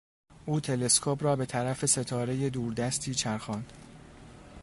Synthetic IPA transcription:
ʔuːt̪ʰe̞le̞skʰopɾɒːbe̞t̪ʰæɾæfe̞se̞t̪ʰɒːɾe̞je̞d̪uːɾd̪æst̪ʰiːt͡ʃʰæɾxɒːnd̪̥

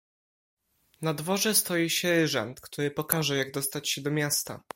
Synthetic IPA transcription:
nad̪vɔʐɛst̪ɔjiɕɛɾɘʐɛ̰nt̪kt̪uɾɘpɔkaʐɛjaɡ̚d̪ɔst̪at͡ɕɕɛd̪ɔmʲjast̪a̰

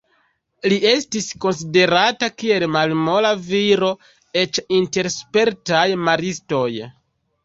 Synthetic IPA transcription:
lie̞stisko̞ns̬ide̞ɾatakie̞lmalmo̞laviɾo̞ | e̞t͡ʃinte̞ɾspe̞ɾtajmaɾisto̞j

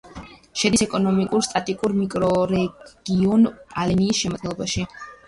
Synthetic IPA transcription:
ʃɛd̪isɛkʼɔnɔmikʼuɾst̪ʼat̪ʼikʼuɾmikʼɾɔɾɛɡ̥iɔnalɛniːsʃɛmɔd̪ɡɛlˠɔbaʃi

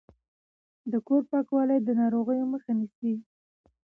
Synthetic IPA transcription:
d̪əkoɾpɑkwɑləjd̪ənɑɾoɣəjoməxanisi

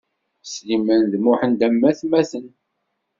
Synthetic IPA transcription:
slimənðmʊħənd̪æmːæθmæθən

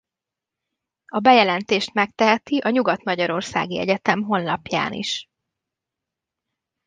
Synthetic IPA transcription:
ɒbɛjɛlɛnt̪eːʃt̪mɛk̚t̪ɛɦɛt̪iʔɒɲuɡɒt̪mɒɟɒɾo̞rsa̰ːɡiɛɟɛt̪ɛmɦo̞nlɒpja̰ːnʔḭʃ

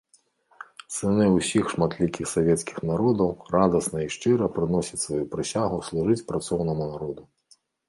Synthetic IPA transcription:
sɨnɛusʲixʂmat̪lʲikʲixsavʲɛt̪skʲi̥xnaɾɔd̪ɐwrad̪ɐsnɐiʂt͡ʂɨɾɐpɾɨnɔsʲɐt͡sʲsvajupɾɨsʲaɣuslˠuʐɨt͡sʲpɾat̪sɔwnɐmunaɾɔd̪u

